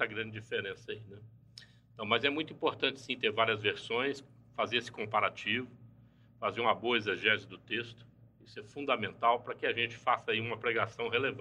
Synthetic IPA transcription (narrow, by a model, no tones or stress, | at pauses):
ɐɡɾɐ̃d͡ʒɪd͡ʒifeɾẽsɐinɛ | ẽt̪ɐ̃w̃mɐzɛmũj̃t̪uĩpoɾt̪ɐ̃t͡ʃɪ̥sĩt̪eɾvaɾiɐzveɾsõj̃s | fazeɾesɪ̥kõpaɾat͡ʃivʊ | fazeɾũmɐboɐezeʒɛzʊd̪ʊt̪est̪ʊ̥isʊɛfũd̪ɐmẽnt̪awpɾɐkɪaʒẽt͡ʃɪ̥fasɐiũmɐpɾeɡasɐ̃w̃ɦelev